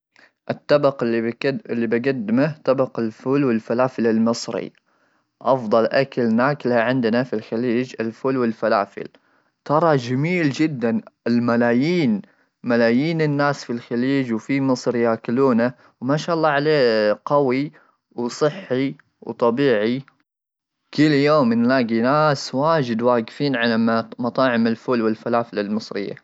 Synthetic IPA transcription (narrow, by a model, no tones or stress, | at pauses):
ʔɪt̪ːɑbɑqː | ɪlːibɪɡad̪ːɪmat̪ɑbɑqɪlfuːlwɪlfalaːfɪlɪlmɨsˤɾḭ | ʔɑfd̪ˤɑlʔakalnaːkɪlaʕɪnd̪nafilxaliːd͡ʒɪlfʊːlwɪlfala̰ːfɪ̰l | t̪ɑɾˤɑd͡ʒamiːld͡ʒɪd̪ːanɪlmalaːjiːn | malaːjiːnɪnːaːsfilxaliːd͡ʒwfimɨsˤɾjakɪluːna | wmaːʃaːʔɑlˤːɑːʕaleːqawi | wsˤɨħːi | wt̪ˤɑbiːʕi | kʰʊlːjoːmːɪnlaːɡinaːswaːd͡ʒɪd̪waːɡfiːnʕalammɑt̪ˤɑːʕɪmɪlfʊlwɪlfalaːfɪlalmɨsˤɾɪ̰jːa̰